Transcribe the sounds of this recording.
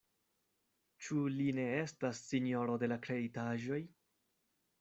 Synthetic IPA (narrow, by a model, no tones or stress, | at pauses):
t͡ʃuline̞e̞stasːinio̞ɾo̞de̞lakɾe̞ditaʒo̞j